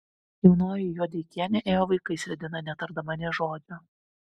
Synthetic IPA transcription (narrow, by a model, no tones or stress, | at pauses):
jɛʊnoːjɪjuɔd̪ʲɛɪkʲiɛnʲɛʔeːjoːʋɐɪkɐɪsʲɾʲɛd̪ʲɪnɐnʲɛt̪ɐɾd̪ɐmɐnʲɛʒoːd͡ʒ̪ʲo